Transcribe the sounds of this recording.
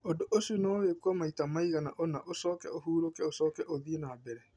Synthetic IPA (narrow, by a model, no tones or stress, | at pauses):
odoʔosunoɣekwɔmaitamaiɣana̰ʔonaʔosɔːkɛ̰oɦuːɾokɛosɔːkɛʔoðienaːbɛɾɛ